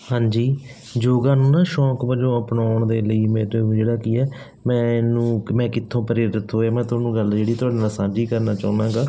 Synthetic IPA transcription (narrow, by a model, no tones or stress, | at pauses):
hãːɲd͡ʒiː | d͡ʒoːɡaːnũːnaːʃɔːkbəd͡ʒõːəpnaːʊɳd̪eːləiːmeːɾeːũːd͡ʒeːɽaːkiːɛː | mɛ̃ːnũːmɛ̃ːkɪt̪ʰːõːpəɾeːɾət̪ʰɦoːjaːmɛ̃ːt̪ʊaːnũːɡəld͡ʒeːɽiːt̪ʊaːɖeːnalsãːd͡ʒiːkəɾnaːt͡ʃaːnãːɡaː